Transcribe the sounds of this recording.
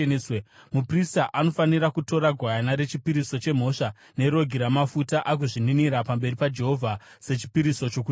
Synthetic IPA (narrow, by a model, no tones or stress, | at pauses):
emupristaʔano̞faniɾakuto̞ɾaɡʱwajanaɾe̞t͡ʃipiɾiso̞t͡ʃe̞m̤o̞ʂa | ne̞ɾo̞ɡʱiɾamafutaʔak̬uʐininiɾapambe̞ripad͡ʒe̞ɦo̞vʱa | se̞t͡ʃi̥piɾiso̞t͡ʃoku